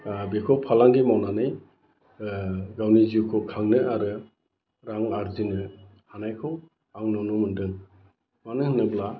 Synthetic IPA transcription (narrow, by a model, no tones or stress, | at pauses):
bekʰɔpʰalaŋɡimawnanɯj | ɡawnizukʰɔkʰaŋnɯaɾɯ | ɾaŋaɾzinɯ | hanajkʰɔw | aŋnɔnumɯndɯŋ | manɯhnɯbla